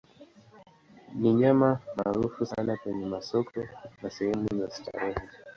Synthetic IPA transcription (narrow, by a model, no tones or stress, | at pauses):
niɲamamaːɾufusanakwɛɲɛmasɔkʰɔnasɛhɛmujasi̥ta̰ɾɛhi